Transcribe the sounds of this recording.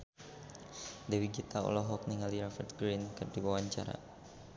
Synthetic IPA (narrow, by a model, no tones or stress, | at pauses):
dɛwiɡit̪aɔ̰lɔɦɔk̚niŋaliɾɔfɛrt̪̚ɡɾinkɨrdiwawaɲt͡ʃa̰ɾa̰